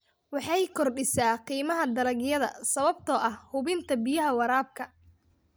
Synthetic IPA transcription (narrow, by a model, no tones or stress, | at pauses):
wɑħɑjkʰɔrɖɪsaːqiːmɐɦɐd̪ɐlɐɣjɐðɐ̰sɐβɐb̚t̪ʰɔːʔɐhhʊβɪnt̪ʰɐbɪjɐɦɐwɐɾaːb̚kʰɐ